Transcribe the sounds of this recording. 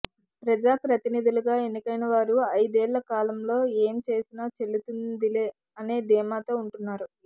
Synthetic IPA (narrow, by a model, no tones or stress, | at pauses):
pɾɐd͡ʒaːpɾɐt̪inid̪uluɡaːe̞nːikɐjnɐʋaːɾuɐjd̪ɛːɭːɐkaːlɐmlo̞ːeːmt͡ʃe̞ːsinaːt͡ʃe̞ɭːut̪und̪ileː | ɐneːd̪ɛːmaːt̪o̞ːuɳʈunːaːɾu